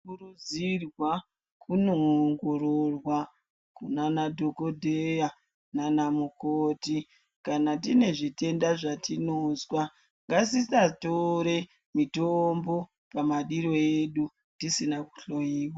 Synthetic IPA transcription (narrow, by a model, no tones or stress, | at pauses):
kurud͡zirwa | kunoŋɡoɾorwa | kunanadʱo̞ko̞dʱeja | nanamukoːti | kanatine̞ʐite̞ndaʐatinozwa | ŋɡasisatoɾe̞ | mitombo̞ | pamaɗiɾo̞je̞ɗu | tisinaku̥ɬo̞jiːwa